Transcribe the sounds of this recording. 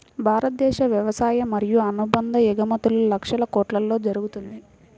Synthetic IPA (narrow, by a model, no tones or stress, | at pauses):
bʱaːɾɐt̪̚d̪ɛːʃɐʋjɐʋɐsaːjɐmːɐɾijuɐnubɐnd̪ɐjɛɡɐmɐt̪ululɐkʂɐlɐkɔːʈlɐlːo̞ːd͡ʒɐɾuɡut̪und̪i